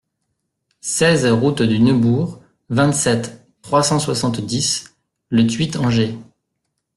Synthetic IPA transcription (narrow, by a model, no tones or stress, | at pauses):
sɛzʁut̪d̪ynøbuːʁ | vɛ̃t̪sɛt̪ː | χwasɑ̃swasɑ̃t̪d̪is | lət̪ɥit̪ɑ̃ʒe